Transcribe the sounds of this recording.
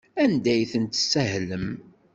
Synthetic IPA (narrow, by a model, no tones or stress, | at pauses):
ænd̪æjθənt̪əsːæɦləm